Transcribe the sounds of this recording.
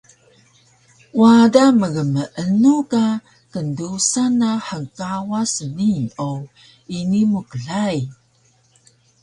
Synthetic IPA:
wadaməɡəməʔənuka | kəndusanaħəkawasəniɲo | inimukəɮaj

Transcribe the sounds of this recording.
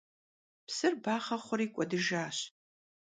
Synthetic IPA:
psɨrbaːχɐχʷʊriːkʷʼɔdɨʒaːɕ

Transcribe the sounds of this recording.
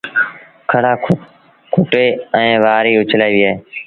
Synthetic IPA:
kʰəɽaː | kʰʊʈeːɛ̃ːʋaːɾiːʊt͡ʃʰlaːiːʋɪjaːɦeː

